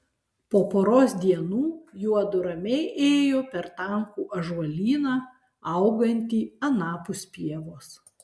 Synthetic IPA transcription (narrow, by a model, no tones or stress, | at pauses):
poːpoːɾoːsd̪ʲiɛnuːjuɔd̪ʊɾɐmʲɛɪʔeːjoːpʲɛɾt̪ɐŋkuːʔɐʒʋɐlʲiːnɑː | ɐˑʊɡɐnʲt̪ʲiːɐnɑːpʊsʲpʲiɛʋoːs